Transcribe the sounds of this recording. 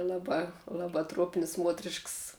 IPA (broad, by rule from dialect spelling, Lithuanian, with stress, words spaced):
ˈlˠɑːˌbɑː ˈlˠɑːˌbɑː truɔpʲnʲsʲ ˈmuɔtʲrʲɪʃks